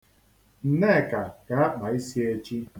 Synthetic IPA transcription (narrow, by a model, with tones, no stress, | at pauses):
n̩˨ne˦˨ka˨ɡa˨a˦k͡pa˨i˦si˦e˦t͡ʃi˦